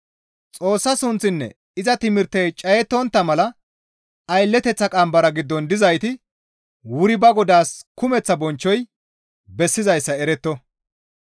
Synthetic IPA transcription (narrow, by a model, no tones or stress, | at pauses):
t͡sʼo̞ːsːɐsʊnt͡sːɪnːɛ̰ | ɪzɐt̪ɪmɪɾt̪ːɛjt͡ʃʼɐjɛt̪ːɔnt̪ːɐmɐlɐ | ɐjlːɛt̪ɛt͡sːɐkʼɐmbɐɾɐɡɪd̪ːɔnd̪ɪzɐjt̪ɪ | wʊɾɪbɐɡɔd̪aːskʊmɛt͡sːɐbɔnt͡ʃːɔj | bɛsːɪzɐjsːɐɛɾɛt̪ːɔ